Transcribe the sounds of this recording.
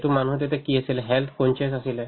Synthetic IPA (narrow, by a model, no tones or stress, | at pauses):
tumanuɦt̪et̪ɛkiasilɛɦɛlt̪ʰkɔnt͡ʃesasilɛ